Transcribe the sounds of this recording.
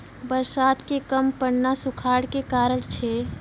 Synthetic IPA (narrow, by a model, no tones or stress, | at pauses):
bəɾsaːt̪kekəmpəɽnasukʰaɽkekaːɾəɽt͡ʃʰɛ